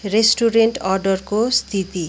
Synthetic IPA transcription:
resʈuɾeɳʈʌrɖʌrkost̪ʰit̪i

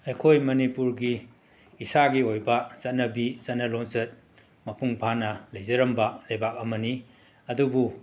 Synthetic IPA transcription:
ɐjkʰojmɐnipuɾɡiː | saɡiojbɐzɐtnɐbizɐnɐlonzɐt̚ | mɐpuŋpʰanɐlejzɐɾɐmbɐlɐjbak̚ɐmɐni | ɐdubu

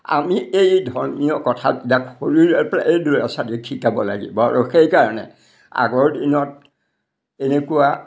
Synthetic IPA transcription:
a̰miejdʱɔɹmijɔkɔtʰatidakxoɹilɛpa̰ʔejduɹa̰sadikʰikabɔla̰ɡḭbɔa̰ɹuxejkaɹɔnɛ̰ | a̰ɡɔɹdinɔt̚ | enekuwa

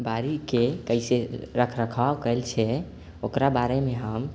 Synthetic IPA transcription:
baɾikekəɪseɾəkʰɾəkʰabkəlt͡ʃʰɛ | okɾabaɾemeɦəm

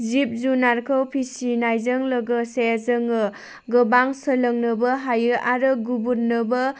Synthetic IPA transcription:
zip̚zunaɾkʰɯwpʰisinajzəŋlɐɡɯseazɯŋɯ | ɡɯbaŋsələŋnɯbɐɦajɯʔaɾɯɡubuɾnɯbɐ

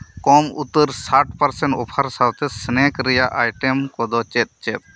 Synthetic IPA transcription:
kɔmut̪əɾsaʈ̚pəɾsɛɳʈɔpʰaɾsawt̪ɛsnɛkɾɛjaʔajʈɛmkɔd̪ɔt͡ʃɛt̪̚t͡ʃɛt̪̚

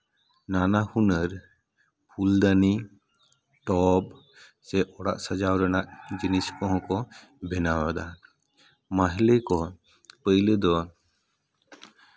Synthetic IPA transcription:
nanahunəɾ | pʰuld̪ani | ʈɔb | sɛʔɔɽa̰ʔsəd͡ʒawɾənaʔd͡ʒiniskɔɦkɔ | bʱɛnawad̪a | maɦlekɔ | pəjləd̪ɔ

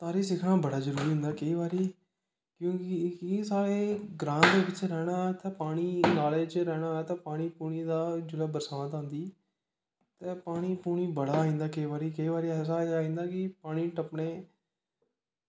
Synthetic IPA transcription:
t̪aːɾiːs̬ɪkʰɳaːbəɽaːzəɾuːɾiːɦʊ̃nd̪aːkəiːʋaːɾiː | kjõːkɪkɪsaːɽeːɡɾãːnd̪eːbɪt͡ʃɾɛːɽ̃aːt̪ɛːpaːɽ̃iːnaːleːt͡ʃɾɛːɽ̃aːɛt̪ɛ̃ːpaːɽ̃iːpuːɽ̃iːd̪aːd͡ʒʊlaːbəɾsaːʋãːt̪ãːnd̪iː | t̪eːpaːɽ̃iːpuːɽiːbəɽaːɦĩːnd̪aːkəiːʋaːɾiːkəiːʋaːɾiːɛːs̬aːaːĩːnd̪aːkɪpaːɽ̃iːʈəpɳeː

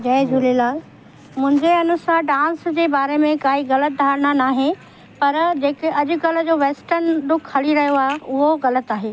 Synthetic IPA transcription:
d͡ʑɐːd͡ʑulilaːl | mʊ̃ɦɪ̃ɲd͡ʑeɐnʊsaːɖãːnsd͡ʑeːbaːɾemẽkaːiɣɐlət̪̚d̪ʱaːɾɽ̃anaːɦe | pɐɾd͡ʑeːkeɐd͡ʑʊ̆kɐlə̆d͡ʑoːʋeːsʈənd̪ʊkʰhɐliɾɐɦijoaːɦeʔʊɦoɣɐlət̪aːɦeː

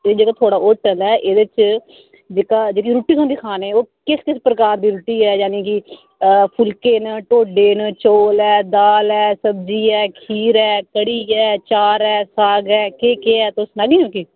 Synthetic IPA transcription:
ed͡ʒeːkaːt̪ʰoːɽaːoːʈəlɛːʔeːd̪ɪt͡ʃ | d͡ʒeːkaːd͡ʒeːk̬iːɾuːʈiːsõnd̪iːkʰaːneːoːkɪskɪspɾəkaːɾd̪iːɾuːʈiːɛːjaːneːk̬i | pʰʊlkeːnʈoːɖeːnt͡ʃoːlɛːd̪aːlɛːsəbd͡ʒiːɛːkʰiːɾɛːkəɽiːɛːt͡ʃaːɾɛːsaːɡɛːkeːkeːɛːt̪esnaːɡĩːõːkiː

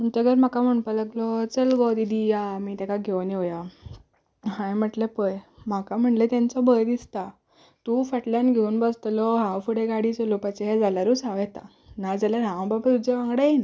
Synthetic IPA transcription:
muɳt͡ɕaɡəɾm̤akam̤əɳpaləɡlɔt͡səlɡɔd̪id̪ijamit̪ãkaɡʱewniɔja | ɦãjm̤əʈlepəjm̤akam̤əɳʈlet̪ãnt͡sɔbəɾd̪ist̪a | t̪ufəʈljãnɡʱeunbəst̪lɔɦãwfuɽeɡaɽit͡səlupat͡ɕɦɛd͡zalaɾuːsaʋɛt̪a̰ | nad͡zalaɾɦãʋ̃babaɾud͡zeʋãŋɡɽajin

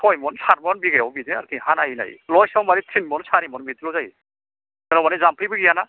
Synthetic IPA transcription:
tʰɔjmɔnsaɾmɔnbiɡajɔwbidiaɾkʰiɦanaina̰jlɔjsawmaɾitʰinmɔnsaɾimɔnbitilɔwzaj | aɾɔmanizampʰɯjbɯɡiana

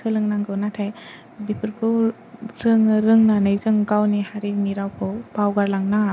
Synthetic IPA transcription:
sɯlɯŋnaŋɡɯwnatʰaj | bipʰɯɾkʰɯ | ɾɯŋɾɯŋnanajzɯŋɡawnihaɾiniɾawkʰowbawɡaɾlaŋna

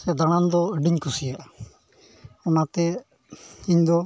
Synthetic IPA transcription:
sɛd̪aɽ̃and̪ɔəɖiɲkʰusijaʔ | ɔnat̪ɛ | iɲd̪ɔ

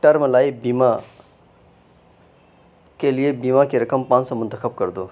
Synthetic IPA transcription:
ʈəɾmlajbima | kelijebimakeɾəkəmpãːnsɔmʊ̃nt̪əxʰəb̚kəɾd̪o

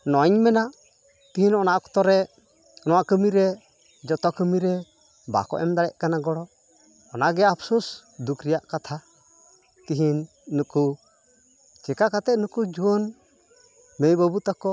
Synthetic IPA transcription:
nɔɲmɛnaʔ | t̪iɦinɔnaʔkɔ̥t̪ɔɾɛ | nɔwaʔkəmiɾɛ | d͡ʒɔt̪ɔkəmiɾɛ | ba̰kɔ̰ʔɛmd̪aɽɛʔkanaɡɔɽɔ | ɔnaʔɡɛapʰsus | d̪ukɾijaʔkat̪ʰa | t̪iɦinː | uku | t͡ʃɛkakat̪ɛt̪nukud͡ʒuən | mejbəbut̪akɔ

